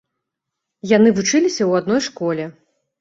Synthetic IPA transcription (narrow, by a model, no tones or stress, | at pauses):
janɨvut͡ʂɨlʲisʲɐwad̪̚nɔjʂkɔlʲɛ